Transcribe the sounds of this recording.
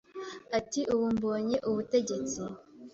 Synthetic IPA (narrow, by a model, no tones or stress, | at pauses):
atiʔuβuːmbo̞ːɲeʔuβute̞ɟe̞t͡si